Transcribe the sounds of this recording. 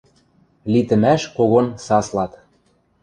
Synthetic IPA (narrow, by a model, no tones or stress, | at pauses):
lit̪ə̆mæʃkoɣonsɑslɑt̪